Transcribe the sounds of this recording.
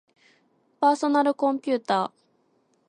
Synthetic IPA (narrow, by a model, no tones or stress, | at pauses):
paːso̞naɾɯ̟kõ̞mpʲɨːt̪aː